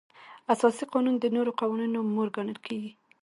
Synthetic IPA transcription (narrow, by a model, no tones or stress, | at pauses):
asɑsiqɑnund̪ənoɾoqɑwɑninomoɾɡanəlkʰeɡi